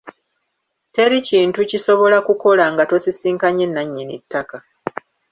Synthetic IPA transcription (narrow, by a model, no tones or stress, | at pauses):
te̞ɾiciːntuciso̞βo̞lakuko̞laŋɡato̞sisiːŋkaɲːenːaɲːinitːaka